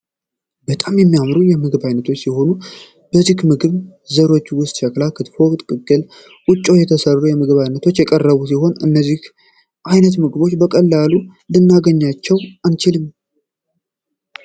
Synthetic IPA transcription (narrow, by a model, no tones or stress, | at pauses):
bət̪ʼamjɛmːijamɾunjɛmɨɡɨβajnət̪ʰo̞t͡ʃːsiho̞nu | b̥əzikmɨɡɨβzəɾo̞t͡ʃːwʊst̪ʼʃɛklakʰɨt̪fokʼt̪ʼkʼɨɡʼɨl | ʔʊt͡ʃʼːo̞jɛt̪ʰəsərːujɛmɨɡɨβajnət̪ʰo̞t͡ʃːjɛkʼərːəβusiho̞nɨ̰nːəzːih | ʔajnət̪mɨɡɨβo̞t͡ʃːbəkʼəlːalulɨnːaɡəɲːat͡ʃːɛwant͡ʃɪlɨɲ